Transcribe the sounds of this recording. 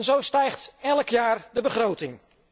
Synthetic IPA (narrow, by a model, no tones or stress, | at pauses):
nzowstɛjχtɛləkjaːɹdəbəχrowtɪŋ